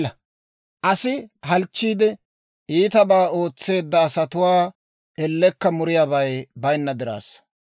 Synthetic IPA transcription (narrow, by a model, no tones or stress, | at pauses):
ɐ | ʔɐsɪɦɐlt͡ʃːiːd̪ɛ | ʔiːt̪ɐbaːo̞ːt͡sːe̞ːd̪ːɐːsɐt̪ʊwaː | ɛlːɛkːɐmʊɾɪjaːbɐjbɐjnːɐd̪ɪɾa̰ːs